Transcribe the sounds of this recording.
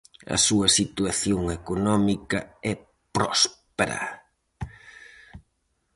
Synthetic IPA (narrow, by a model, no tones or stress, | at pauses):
ɐ̰suɐsit̪uaθjoŋekonɔmikɐɛ | pɾɔspeɾɐ̰